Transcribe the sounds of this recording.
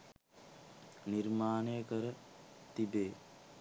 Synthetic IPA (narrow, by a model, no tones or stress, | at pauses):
niɾmaːnejəkəɾət̪ibeː